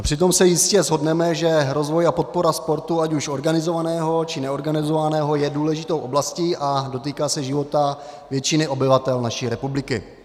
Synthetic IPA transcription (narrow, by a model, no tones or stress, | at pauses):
pr̥ɪt̪o̞msɛjɪscɛzɦo̞dnɛmɛʒɛɾo̞zvojapo̞t̪̚po̞ɾaspo̞ɾt̪uacuʃo̞ɾɡanɪzo̞vanɛːɦo̞t͡ʃɪnɛo̞ɾɡanɪzovanɛːɦo̞jɛduːlɛʒɪt̪o̞wʔoblasciːʔado̞t̪̬iːkaːsɛʒɪvo̞t̪a | vjɛt͡ʃɪnɪʔo̞bɪvat̪ɛlnaʃiːɾɛpublɪkɪ̰